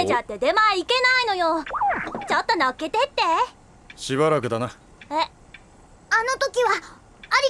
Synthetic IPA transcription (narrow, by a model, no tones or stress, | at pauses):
ed͡ʑat̪ːe̞d̪e̞maike̞naino̞jo | t͡ɕat̪ːanake̞t̪e̞t̪ːe̞ | ɕiβaɾakɯ̟d̪ana | e | ano̞t̪o̞kʲiβaː | ɾʲi